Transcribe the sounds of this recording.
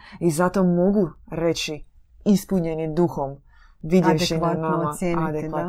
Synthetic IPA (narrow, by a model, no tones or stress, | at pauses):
izat̪o̞mo̞ɡuɾe̞t͡ɕi | ispuɲenid̪uxom | ʋid̪jeʋʃinanamaad̪eʋa